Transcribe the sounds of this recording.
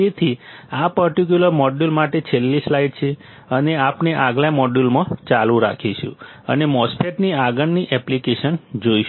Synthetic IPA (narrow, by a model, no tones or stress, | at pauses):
et̪ʰiapəɾʈik̬juləɾmɔɖulmaʈet͡ʃʰelːislaiɖt͡ʃʰe | əneapneʔaɡljamɔɖulmãt͡ʃalũɾa̰kʰiʃṵ̃ | ə̰nemɔspʰeʈniaɡənːiʔɛplikeʃənd͡ʒoiʃ